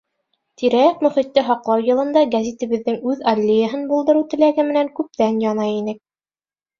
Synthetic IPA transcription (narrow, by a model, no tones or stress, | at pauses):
t̪iɾæjækmɵ̆χit̪ːɘɦɑqlˠɑwjɤ̆lˠɤ̆nd̪ɑɡæzʲit̪ɘ̆βɘ̆ðːɘŋʉðɐlʲːejəɦɤnbulˠd̪ɤ̆ɾɤwt̪ɘ̆læɡɘmɘ̆næŋkʉp̚t̪ænjɑnɑjinɘk̚